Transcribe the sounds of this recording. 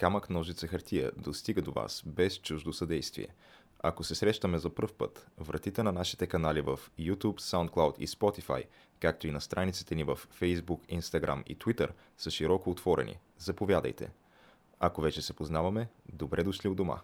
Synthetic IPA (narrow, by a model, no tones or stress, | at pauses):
kamɐknɔʒit̪səxɐɾt̪ʰiə̰d̪ost̪iɡəd̪ova̰sbɛst͡ʃuʒd̪osɐd̪ɛjst̪vḭɛ̰ | ɐ̰kosɛsɾɛʃt̪əmɛzɐpɤrfpɤ̰t̪vɾʔɐ̰t̪it̪ɛnɐnaʃi̥t̪ɛkɐnalivəfjut̪upsaʊ̃nt̪̚klˠawt̪ḭspɔt̪ifa̰j | kak̚t̪oinɐst̪ɾʔanit̪si̥t̪ɛnivəfːɛjzbukinst̪ɐɡɾa̰mḭt̪vit̪əɾ | səʃiɾɔkoːt̪vɔɾɛ̰nʲḭ | zɐpovʲjad̪ə̰jt̪ɛ̰ | ɐkovɛt͡ʃɛsɛpoznavɐmɛd̪obɾʔɛd̪oʃliod̪oma̰